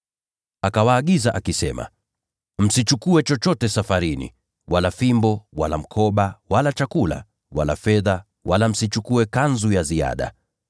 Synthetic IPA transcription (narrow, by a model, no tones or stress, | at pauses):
akawaːɠizaʔakisɛma̰ | m̩sit͡ʃukuɛt͡ʃɔt͡ʃɔtɛsafaɾinḭ | walafimbɔwalam̩kʰɔɓawalat͡ʃakula̰ | wa̰la̰fɛða | walam̩sit͡ʃukuɛkanzujazia̰ɗa̰